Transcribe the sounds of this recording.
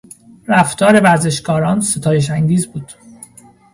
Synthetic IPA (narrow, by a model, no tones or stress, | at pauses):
ɾæft̪ʰɒːɾe̞væɾze̞ʃkɒːɾɒːnse̞t̪ʰɒːje̞ʃ̬æŋɟiːzbuːd̪̥